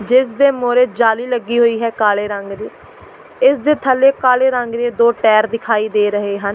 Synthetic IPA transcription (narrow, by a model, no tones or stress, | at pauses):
d͡ʒɪsd̪eːmoːɾeːd͡ʒaːliːləɡːiːɦoːiːɦɛːkaːleːɾəŋɡɾiː | ɪsd̪eːt̪ʰəlːeːkaːleːɾəŋɡɾeːd̪oːʈɛːɾd̪ɪkʰaːiːd̪eːɾəɦeːɦən